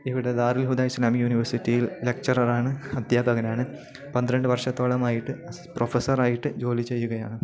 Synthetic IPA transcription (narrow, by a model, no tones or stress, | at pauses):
iʋiɽe̞d̪aːɾilɦud̪aːjislaːmijuːniʋɐrsitːijilːe̞k̚t͡ʃɐrɐraːɳɨɐd̪ʱjaːbʱɐɡɐnaːɳɨ | pɐnd̪iɾeɳɖɨʋɐrʂɐt̪ːoːɭɐmaːjiʈːɨ | profesɐɾaːjiʈːɨd͡ʑo̞ːlit͡ɕːe̞jːuɣɐja̰ːɳɨ